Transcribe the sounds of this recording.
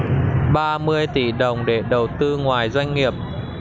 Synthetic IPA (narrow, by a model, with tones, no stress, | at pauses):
ɓaː˧mɨ˧əjt̪i˧˩ɗə˨˩wŋ͡mɗe˧˩ɗə˨˩wt̪ɨ˧ŋwaː˨˩jzwa˧jŋ̟ŋi˨˩əp̚